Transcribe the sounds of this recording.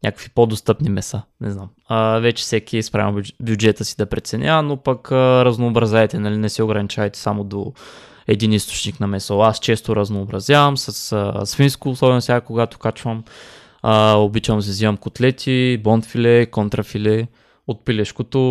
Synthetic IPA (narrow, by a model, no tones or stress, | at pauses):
nʲɲʲakə̥kvipod̪ost̪ɤpnimɛst̪anɛznam | əvɛt͡ʃɛ̥sɛkʲispɾa̰vbjud͡ʒɛt̪əsi̥d̪ɐpɾɛt̪sɛnʲʔanopɐkəɾɐznoːbɾɐzʲaɛt̪ɛnɐlinɛsɛoɡɾɐnit͡ʃavɐjt̪ɛ̥samod̪o̰ | ɛd̪inist̪o̥t͡ʃniknɐmɛsoast͡ʃɛst̪oɾɐznoːbɾɐzjavɐmsɐsəsfinskoːsɔbɛnosʲaakoɡat̪o̥kat͡ʃvəm | əobit͡ʃvɐms̬ɛzivɐmkot̪lɛt̪ʰibɔnt̪filɛkont̪ɾɐfilɛ | ot̪̚pilɛʃkot̪o